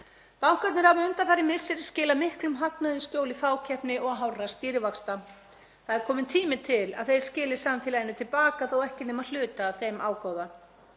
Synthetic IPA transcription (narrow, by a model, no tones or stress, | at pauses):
pawhkat̪nɪɾ̥havaʏnt̪aθaɾːɪmɪ̥sɪɾscɪːlamɪhklʏmɦak̚naðɪscjoːwlɪfaːwcʰɛhpnɪʔɔɣɦawrast̪iːɾɪvakst̪a | θaðɛɾkʰɔːmɪnt̪ʰiːmɪt̪ʰɪla̰ðθejɾ̥scɪːlɪ̥samfiːlajɪnʏt̪ʰɪlpaːkaθawɛhcɪnɛːmal̥ʏːt̪aːθejmʔaːwkaːwða